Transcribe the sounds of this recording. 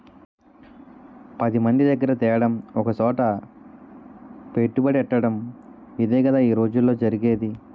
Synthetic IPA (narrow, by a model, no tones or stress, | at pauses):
pɐd̪imɐnd̪id̪ɐɡːɐɾɐt̪ɛːɐɽɐmɔkɐt͡ʃɔːʈɐ | peʈːubɐɽiɛʈːɐɽɐmid̪eːɡɐd̪aːiːɾo̞ːd͡ʒulːo̞ːd͡ʒɐɾiɡeːd̪i